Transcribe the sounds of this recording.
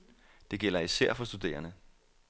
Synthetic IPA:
d̥e̝ɡ̥el̰ɐisæɐ̰fɒ̽sd̥ud̥e̝̰ːɐnə

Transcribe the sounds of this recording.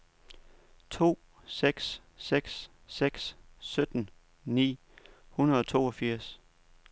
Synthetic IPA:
t͡sʰo̝̰ː | seɡ̥s | seɡ̥s | seɡ̥ssød̥n̩ | nḭː | hunəɐð̞̩ˠɒ̽t͡sʰo̝̰ːɒ̽fiɐ̰s

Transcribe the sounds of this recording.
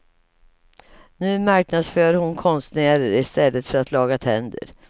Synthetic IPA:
nʉ̟ːmaɾknad̪sføːɾhʊnkʰɔnst̪næːɾəɾɪst̪ɛlːət̪fœɾat̪lɑːɡat̪ʰɛnd̪ə̰ɾ

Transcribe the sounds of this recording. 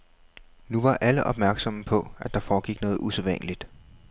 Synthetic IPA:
nuʋɑ̈ʔæləʔɒ̽b̥mæɐɡ̥sɒ̽məpʰɒ̽æd̥ɑ̈fɒːɡ̥iɡ̥nɔ̽ːð̞̩ˠuseðˠʋæn̰əlid̥

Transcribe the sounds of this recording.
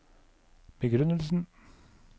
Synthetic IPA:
b̥əɡɾʉnəlsn̩

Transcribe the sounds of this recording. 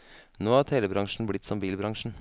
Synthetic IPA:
noːhɑt̪ʰeːləbɾɑŋʂɳ̩blɪt̪ːsɔmbiːlbɾɑŋʂɳ̩

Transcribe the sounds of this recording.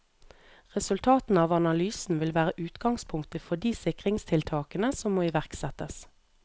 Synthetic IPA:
ʁɛsʉlt̪ʰɑːt̪n̩ɑːʋɑnɑlyːsn̩ʋɪlʋæːʁəʔʉːt̪ɡɑŋspʰʊŋkt̪əfɔd̪iːsɪkʁɪŋst̪ʰɪlt̪ʰɑːkənəsɔmːoːɪʋæʁksɛt̪əs

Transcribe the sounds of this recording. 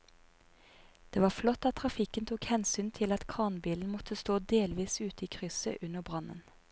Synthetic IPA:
d̪̥eːʋɑːflɔt̪ːɑt̪̚ʰʁɑfɪkənt̪ʰuːkhɛnsyːnt̪ʰɪlɑt̪kʰɑːʁnbiːln̩mɔt̪ʰəst̪oːd̪eːlʋiːsʉːt̪əiːkʰʁʏsə̰ʔʉnəʁbʁɑnə̰n

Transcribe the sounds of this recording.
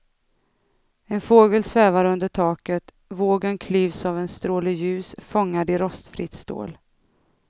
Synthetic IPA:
ɛnfoːɡəlsvɛːvaɾɵnd̪əʈʰɑːkət̪ | voːɡənkʰliːvsavɛnst̪ɾoːlɪjʉ̟ːsfɔŋːad̪ɪɾɔst̪fɾɪ̰t̪st̪o̰ːl

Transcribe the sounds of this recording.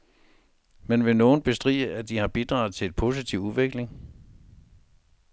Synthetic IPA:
menʋe̝no̝ːn̩b̥e̝sd̥ʁḭːəʔæd̥ihɑ̈b̥id̥ʁɑ̈ʊð̩ˠt͡sʰe̝le̝d̥̚pʰo̝ːsit͡sʰiʊuʋe̝ɡ̥le̝ŋ

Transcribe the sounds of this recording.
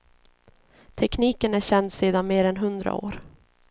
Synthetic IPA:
t̪ʰɛkniːkənæɕɛnd̪seːd̪anmeːɾɛnɦɵnd̪ɾa̰o̰ːɾ

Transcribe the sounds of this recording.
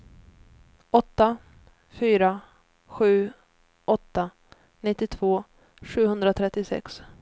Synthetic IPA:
ɔt̪ːa | fyːɾa | ɧʉ̟ː | ʔɔt̪ːa | nɪt̪ːɪt̪ʰvoː | ɧʉ̟ːhɵnd̪ɾat̪ʰɾɛt̪ːɪsɛ̰ks

